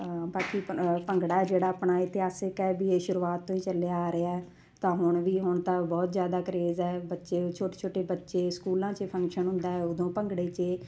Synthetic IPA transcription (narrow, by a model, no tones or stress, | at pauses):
baːkiːpəŋɡɽaːɛːd͡ʒeːɽaːpɳaːɪt̪ɪɦaːsɪkɛːbiːeːʃʊɾuːaːt̪ːõːĩːt͡ʃəleaaːɾeaːɛː | t̪ãːɦʊɳʋiːɦʊɳt̪abɔːt̪zjaːd̪aːkəɾeːzɛːbətːʃeːt͡ʃʰoːʈeːt͡ʃʰoːʈeːbətːʃeːskuːlãːt͡ʃepʰə̃ŋkʃənɦʊ̃nd̪aːɦɛːʊd̪õːpəŋɡɽeːt͡ʃeː